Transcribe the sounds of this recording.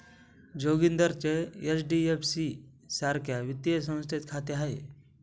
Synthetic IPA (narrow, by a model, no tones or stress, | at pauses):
d͡ʑoɡind̪əɾt͡ɕeesɖiefsi | saɾkʰjaʋit̪ːiəsə̃w̃st̪ʰet̪kʰat̪eɦae